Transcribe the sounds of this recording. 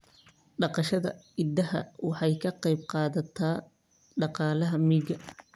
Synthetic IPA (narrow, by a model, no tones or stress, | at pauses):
ɖɑqɑʃɐðɐ̰ɪd̪ɐhɐ̰wɑħɑjkʰɐqɑjb̚qɑːðɐt̪ʰaː | ɖɑqɑːlɐɦɐmiːɡɐ